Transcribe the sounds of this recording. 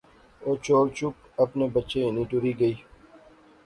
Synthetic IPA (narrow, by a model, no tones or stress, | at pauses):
oːt͡ʃoːɾt͡ʃʊk̚ | ɐpnebɐtːʃenĩʈʊɾiɡɐiː